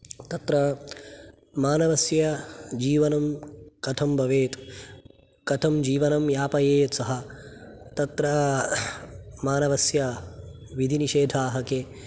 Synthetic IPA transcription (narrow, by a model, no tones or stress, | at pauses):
t̪ɐt̪ɾɐ | maːnɐʋɐsjɐd͡ʒiːʋɐnɐmkɐt̪ʰɐmbʱɐʋeːt̪ | kɐt̪ʰɐmd͡ʒiːʋɐnɐmjaːpɐjeːjɐsɐɦɐ | t̪ɐt̪ɾɐ | maːnɐʋɐsjɐʋid̪ʱiniʃeːd̪ʱaːɦɐkeː